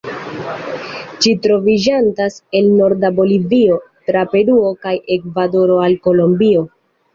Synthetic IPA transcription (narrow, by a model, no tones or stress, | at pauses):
d͡ʒitɾo̞vid͡ʒantase̞lno̞ɾdabo̞livio̞tɾape̞ɾuo̞kaje̞kvado̞ɾo̞alko̞lombio̞